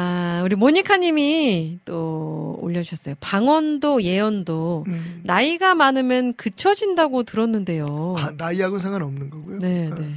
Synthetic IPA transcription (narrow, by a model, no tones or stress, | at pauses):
auɾimoɲikʰaɲimit͈oo̰ʎːʌd͡ʑuʌs͈ʌjopaŋwʌndoje̞ʌndonaiɡamanɯmjʌnkɯt͡ɕʰʌd͡ʑindaɡotɯɾʌnːɯnde̞jonaiaɡosʰeŋanʌmnɯnɡʌɡujone̞ne̞